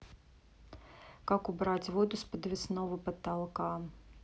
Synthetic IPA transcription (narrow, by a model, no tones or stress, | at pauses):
kakubɾat͡sʲvɔd̪uspɐd̪vʲɪsnɔvɨpɐt̪alˠka